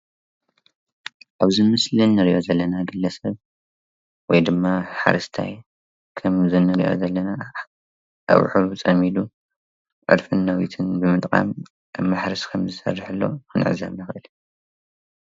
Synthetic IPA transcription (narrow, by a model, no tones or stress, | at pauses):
ʔaβzɨmɨslinːɨɾiʔo̞zɐlːɐnaɡɨlːɐsɐβ | wɔjd̪ɨmːaħa̰ɾɐst̪ʰa̰j | kʰɐmzɨnɨɾiʔo̞̰zɐlːɐna | ʔa̰wħut͡sʼɐmid̪u | ʕɨ̰d̪fɨnːɐwit̪ʰɨnbɨmɨt̪ʼkʼa̰m | mːaħɾɨskʰɐmzɨsɐ̰rːɨħɨlːo̞̰kʰɨnʕɨ̰zɐ̰βnɨxɨʔɨl